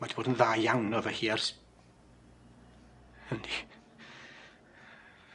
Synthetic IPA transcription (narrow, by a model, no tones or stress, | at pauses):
madiboːdənðaːjawnɔvəhiːars | həni